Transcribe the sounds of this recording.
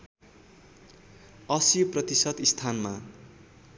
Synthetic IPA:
ʌsjoprʌt̪isʌd̪ist̪ʰanma

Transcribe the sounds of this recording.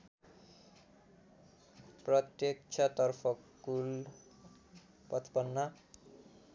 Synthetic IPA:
prʌt̪jekt͡sʰat̪ʌrpʰʌkul | pʌt̪ʰpʌnːʌ

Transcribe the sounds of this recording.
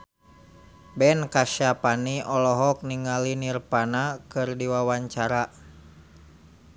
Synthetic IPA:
bɛnkaʃapaniʔɔlɔɦɔk̚niŋalinirpanakɨrdiwawaɲt͡ʃaɾa

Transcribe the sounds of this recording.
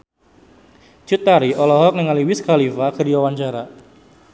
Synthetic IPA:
t͡ʃut̪ːaɾiʔɔlɔɦɔk̚nɪŋaliwɪskalifakədiwawaɲt͡ʃaɾa

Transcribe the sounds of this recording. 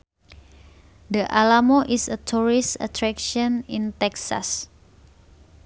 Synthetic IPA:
dəʔalamoʔisət̪ʰuɹista̰t̪ɾɛkʃɔnĩnt̪ɛksa̰s

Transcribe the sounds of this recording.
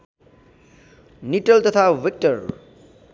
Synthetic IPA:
niʈʌlt̪ʌt̪ʰaʋik̚ʈʌɾ

